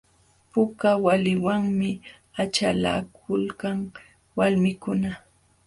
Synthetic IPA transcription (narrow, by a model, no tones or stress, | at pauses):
pʊkawalɪwaŋmɪ | at͡ʃala̰kʰʊlkaŋ | walmɪkʊna